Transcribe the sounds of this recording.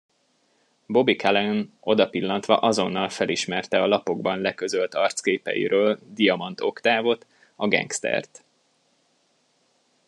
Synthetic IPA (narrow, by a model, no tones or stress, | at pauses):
bo̞bikɛlɛn | o̞d̪ɒpilːɒnt̪ʋɒ̰ʔɒzo̞nːɒlfɛliʃmɛrt̪ɛɒlɒpo̞ɡbɒnlɛkø̞zølt̪ɒrt̪skeːpɛ̰jḭɾøːld̪ijɒmɒnt̪ʰo̞kt̪aːvo̞t̪ | ɒɡɛ̰ŋkst̪ɛ̰rt̪